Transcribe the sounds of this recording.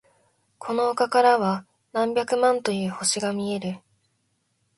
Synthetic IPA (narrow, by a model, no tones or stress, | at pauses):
kʰo̞noːkakaɾaβa | nãmbʲakɯ̟mãnt̪o̞jɯ̟ːho̞ɕiɡamʲie̞ɾɯ̟